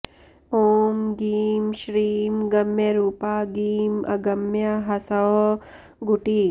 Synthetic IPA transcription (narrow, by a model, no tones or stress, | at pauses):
oːmɡiːmʃɾiːmɡɐmjɐɾuːpaːɡiːmʔɐ̰ɡɐmjɐɦɐsɐɦ | ɡuʈiː